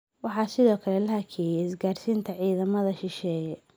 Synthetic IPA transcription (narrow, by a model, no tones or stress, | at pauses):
wɑħɑːsɪðɔːkʰɐlɛlɐhɐkʰɛːjɛɪsɡaːrsiːnt̪ʰɐʕiːðɐmɐðɐʃɪʃɛːjɛ